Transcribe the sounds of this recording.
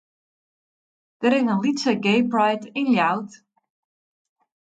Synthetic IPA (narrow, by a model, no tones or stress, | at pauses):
d̥əɾɪzənlitsəɡejprajtɪnljawt